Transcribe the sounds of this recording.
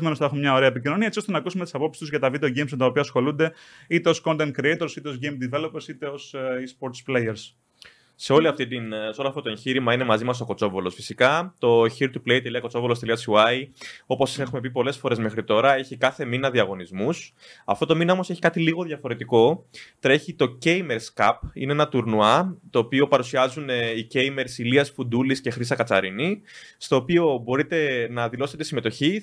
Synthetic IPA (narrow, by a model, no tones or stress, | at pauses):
zme̞nosθɐe̞xumemɲɐoɾe̞ɐepicino̞niɐe̞t͡siost̪e̞nɐkusume̞t̪i̥sɐpo̞psi̥st̪uzʝɐt̪ɐvid̪eoʝejmsmet̪ɐopiɐsxo̞lund̪e̞ | it̪e̞o̞sko̞nt̪ent̪̚kɾiejt̪o̞ɾsit̪e̞ozʝejmd̪ive̞lopeɾsit̪e̞osispo̞ɾt̪splejeɾs | se̞o̞liɐft̪it̪inseo̞loɐft̪ot̪oeɲçiɾimɐine̞mɐzimɐso̞ko̞t͡so̞volo̞sfisikɐt̪o̞çiɾt̪uplejt̪eliɐko̞t͡so̞volost̪eliɐt͡suɐjo̞po̞se̞xume̞p̬ipo̞le̞sfo̞ɾe̞zme̞xɾit̪o̞ɾɐe̞çikɐθe̞minɐðiɐɣo̞nizmus | ɐ̰ft̪o̞t̪o̞minɐo̞mo̞se̞çi̥kɐt̪iliɣo̞ðjɐfo̞ɾe̞t̪iko̞t̪ɾe̞çit̪o̞ce̞jme̞ɾskɐpḭneenɐt̪uɾnuɐt̪o̞ːpio̞pɐɾusiɐzuneice̞jme̞ɾsiliɐsfund̪ulisce̞xɾisɐkɐt͡sɐ̰ɾini | st̪o̞ːpio̞bo̞ɾit̪e̞nɐðilo̞se̞t̪esime̞t̪o̞çi